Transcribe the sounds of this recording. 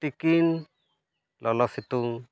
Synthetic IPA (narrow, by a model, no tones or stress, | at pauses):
tikin | lɔlɔsit̪uŋ